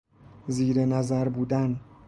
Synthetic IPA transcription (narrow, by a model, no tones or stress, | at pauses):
ziːɾenæzæɾbuːd̪æn